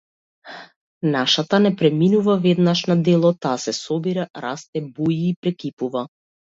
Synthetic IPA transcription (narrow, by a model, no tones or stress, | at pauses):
naʃat̪anɛpɾɛminuvavɛd̪naʃnad̪ɛlˠɔt̪aːsɛsɔbiɾaɾast̪ɛbujiːpɾɛkipuva